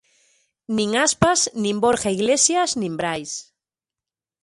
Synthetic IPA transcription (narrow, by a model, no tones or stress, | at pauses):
nĩŋaspasnĩmboɾxaiɣlesjaznĩmbɾajs